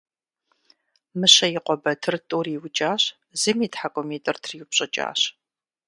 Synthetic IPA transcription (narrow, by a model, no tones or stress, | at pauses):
mɨɕɐjɪqʷɔbɐtʰɨrtʼuːriːwt͡ʃʼaːɕ | z̥ɨmiːtħakʷʼɔmeːtʼɨrtʰripɕʼɐt͡ʃʼa̰ːɕ